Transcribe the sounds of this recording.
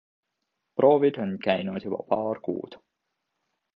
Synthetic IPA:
prʔo̞ːvid̪̥o̞nkæjnud̪jub̥ɑ̰pɑːrkṵːd̪̥

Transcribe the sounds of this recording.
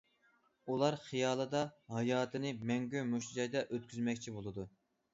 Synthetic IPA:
ulˠɑɾχijɑːlˠɨd̪ɑɦɑjɑːt̪ʰɨnɪmɛŋɡʲymuʃt̪ʰid͡ʒɑjd̪ɛʔøt̪̚kʲʰyzmɛkʲt͡ʃʰibolˠɨd̪u

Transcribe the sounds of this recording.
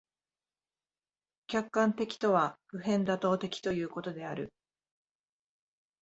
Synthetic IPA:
kʲakːãnt̪e̞kʲi̥t̪o̞βaɸɯ̟ɦẽ̞nd̪at̪o̞ːt̪e̞kʲi̥t̪o̞jɯ̟ːko̞t̪o̞d̪e̞aɾɯ̟̰

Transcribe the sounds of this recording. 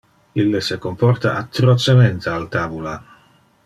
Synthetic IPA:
ilːesekompɔrt̪a̰ʔat̪ːɾot͡ʃement̪ealt̪abula

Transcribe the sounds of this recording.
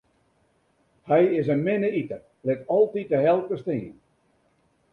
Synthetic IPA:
hɛjɪsənmɪnəitər | lɪtɔlˠtit̚əɦɛlˠtəstɪːən

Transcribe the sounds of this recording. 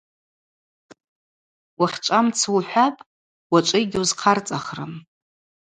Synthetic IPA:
waχʲʈ͡ʂʷʼamt͡sʰwuħʷapʼ | waʈ͡ʂʷʼɨɡʲwzqʰart͡sʼaχrɨ̰m

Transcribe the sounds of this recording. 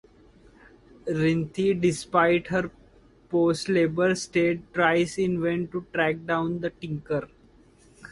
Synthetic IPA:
ɾɪ̃nt̪ʰiɖɪspaɪɖɦəɾ | poːsʈleːbəɾsʈeːɖ̚ʈɾaɪzɪ̃nʋɛ̃ɳʈuʈɾæk̚ɖãʊ̃nd̪əʈɪ̃ŋkəɾ

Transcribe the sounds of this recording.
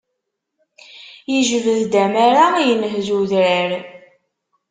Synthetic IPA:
jəʒvəðd̪æmaɾajənəɦðuðɾəɾ

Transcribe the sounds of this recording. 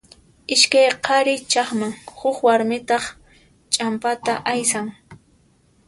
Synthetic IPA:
ɪʃkajqʰɑɾɪt͡ʃɑχmaŋhʊχwaɾmɪt̪ɑχ | t͡ʃʼampat̪aʔajsaŋ

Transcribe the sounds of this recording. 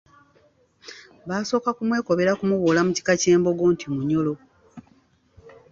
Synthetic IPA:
βaːso̞ːkakumwe̞ːko̞βe̞ɾakumuβulamuci̥kace̞ːmbo̞ɡoːntimuɲo̞lo̞

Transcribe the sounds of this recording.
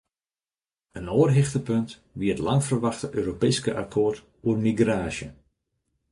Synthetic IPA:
ənoːrɦɪxtəpønt | ʋiətlɑŋfərʋɑxtəʔøːɾopeːskəʔa̰kʰoərt | uərmiɡraːsjə̰

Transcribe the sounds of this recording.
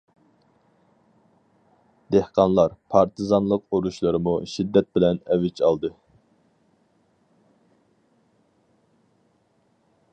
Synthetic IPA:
d̪̥ehqʰɑnlˠɑɾpʰɑɾt̪ʰɨzɑnlˠəqoɾuʃlˠɨɾɨmuʃid̪ːɛt̪̚bɪlɛnɛwɪt͡ʃʰɑlˠd̪ɨ

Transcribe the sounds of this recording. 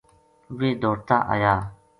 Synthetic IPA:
weːd̪oːɾt̪a̰ːʔa̰jaː

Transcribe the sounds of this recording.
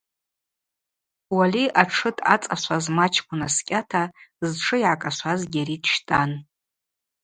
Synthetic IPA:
waliʔaʈ͡ʂʰɨtʰʼa̰t͡sʼaʃʷʰazmat͡ʃʰkʷʼʊnaskʲʼatʰazʈ͡ʂʰɨjʕakʼaʃʷazɡʲaɾidʃtʼan

